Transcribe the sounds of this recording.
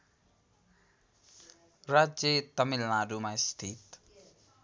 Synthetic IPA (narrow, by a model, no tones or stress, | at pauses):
ɾad͡ʒjet̪ʌmilnaɾumast̪ʰit̪